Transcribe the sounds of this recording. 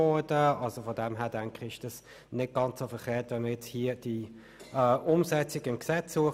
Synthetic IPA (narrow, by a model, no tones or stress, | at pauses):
ɔdəɑlsofɔdɛmɦæːɐd̥æŋkɪɪʃd̥ɑs | nɪd̚ɡ̥ɑnt͡sofɛʁχeːʁtvɛnməjɛt͡shiːəd̥i | ɛːʔʊmsɛt͡sɪɡəɪnksɛt͡sːuə